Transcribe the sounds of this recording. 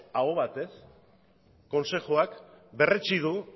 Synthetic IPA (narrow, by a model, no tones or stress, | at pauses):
aoβ̞at̪e̞s | kːo̞nsexoakbe̞ret͡ʃið̞u